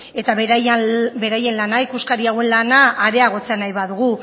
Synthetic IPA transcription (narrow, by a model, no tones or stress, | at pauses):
e̞t̪aβjbe̞ɾaje̞nlanaikuskaɾiaɣwe̞nlanaːɾe̞aɣ̞o̞t͡se̞anajβaðuɣ̞u